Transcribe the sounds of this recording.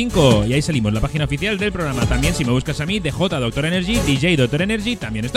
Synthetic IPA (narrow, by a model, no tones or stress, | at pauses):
iŋkoiaisalimo̞zlapaxinao̞fiθjald̪e̞lpɾo̞ɣ̞ɾamat̪ambje̞nsime̞β̞uskasamiðe̞xo̞t̪aðo̞k̚t̪o̞ɾeneɾʝid̪iʝejðo̞k̚t̪o̞ɾene̞ɾʝit̪ambjenest̪